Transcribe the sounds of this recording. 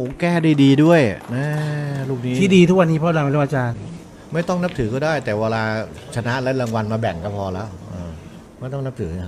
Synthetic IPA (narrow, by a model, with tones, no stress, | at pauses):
u˦kɛː˥˩daː˧˩jdiː˧du˥˩əjnɛː˥˩luː˥˩k̚niː˦t̪ʰiː˥˩diː˧t̪ʰu˦˥k̚wa˧nːiː˦pʰɔ˦˥˧laː˧pla˦˥˩ʔa˧t͡ɕaː˧n | ma˥˩jt̪ɔ˥˩ŋna˦˥p̚t̪ʰɯː˩˦kɔː˥˩daː˥˩jt̪ɛː˨˩waː˧laː˧t͡ɕʰa˧na˦˥ʔlɛ˦˥ɾa˧ŋwa˧nmaː˧bɛ˨˩ŋkɔː˦˥˩pʰɔː˧lɛː˦˥˩wʔɤː˧ | ma˥˩jt̪ɔ˥˩ŋna˦˥p̚t̪ʰɯː˩˦˧